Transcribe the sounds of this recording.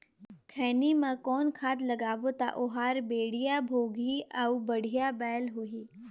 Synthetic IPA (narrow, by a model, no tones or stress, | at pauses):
kʰɛːnimãkɔːnkʰaːt̪lɐɡaːbot̪a̰ʔoɦaːɾbeːɽ̤ijabʱoːɡʱiʔaubɐɽ̤ijabɛːlɦoːɦiː